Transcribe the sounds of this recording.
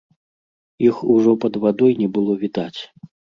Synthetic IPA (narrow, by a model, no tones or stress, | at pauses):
ixuʐɔpɐd̪vad̪ɔjnʲɛbɨlˠɔvʲid̪at͡sʲ